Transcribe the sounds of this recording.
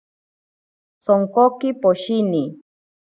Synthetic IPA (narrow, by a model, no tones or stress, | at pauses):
soŋkokɪpoʃini